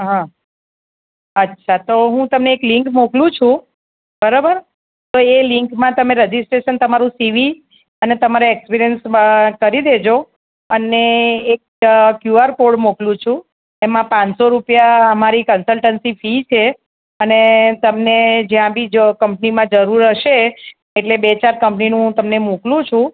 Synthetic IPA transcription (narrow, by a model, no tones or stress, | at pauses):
ɦã | ətːʃʰat̪oɦũt̪əmneːklɪ̃ŋkmoklũt͡ʃʰũ | bəɾabəɾ | t̪oelɪ̃ŋkmãt̪əmẽɾəd͡ʒisʈɾeʃənt̪əmaɾũsiʋi | ənet̪əmaɾeekspiɾijənskəɾid̪ed͡ʒo | əneːk̚ | kjuaɾkoɽmoklũt͡ʃʰũ | emãpãɲsoɾupjaəmaɾikənsəlʈənsifit͡ʃʰe | ənet̪əmned͡ʒjãbʱid͡ʒkəmp̚nimãd͡ʒəɾuɾəʃeː | ʈlebet͡ʃaɾkəmpninũt̪əmnemuklũt͡ʃʰũ